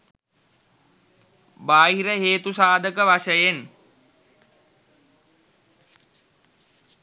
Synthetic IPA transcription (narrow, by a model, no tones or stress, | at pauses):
baːɦiɾəɦeːt̪usaːd̪ʱəkəʋaʃəjen